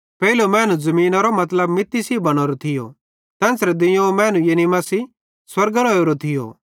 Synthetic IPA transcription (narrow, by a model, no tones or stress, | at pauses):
pɛːilomɛ̃ːnũzɐmiːnaɾomɐt̪ləbmɪt̪ːisibɐɽ̃oːɾot̪ʰɪjo̰ | t̪ɛ̃ːsɾɛd̪ʊ̃jõmɛːnũjenimɐsi | swɐɾɡɾoːjoɾot̪ʰɪjo̰